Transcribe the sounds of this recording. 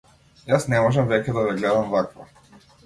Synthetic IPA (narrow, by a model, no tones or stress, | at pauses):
jasnɛmɔʒɛmvɛcʲɛd̪avɛɡlɛd̪amvakvɔ